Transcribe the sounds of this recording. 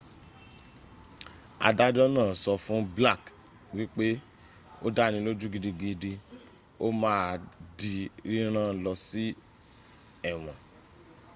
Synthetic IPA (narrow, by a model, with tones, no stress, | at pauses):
a̰˧da˦d͡ʒɔ˦nãː˦˨sɔ˧fũ˦bla˦˨k | wi˦k͡pe˦ | o̰˦da˦nĩ˧lo˦d͡ʒu˦ɡi˧di˧ɡi˧di˧ | o˦mãː˦˧di˧ɾi˦ɾ̃ã˦lɔ˧si˦ | ɛ˦˨w̃ɔ̃˨